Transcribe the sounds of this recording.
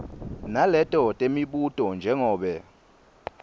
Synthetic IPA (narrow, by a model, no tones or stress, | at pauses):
nalɛtʼɔtʼemiɓutʼɔnd͡ʒʱɛŋɔːɓɛ